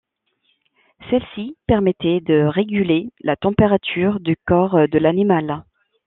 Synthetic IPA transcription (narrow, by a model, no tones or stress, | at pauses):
sɛlsipɛʁmɛt̪ɛd̪əʁeɡʲylelat̪ɑ̃peʁat̪ʰyʁd̪ykɔʁd̪əlanimal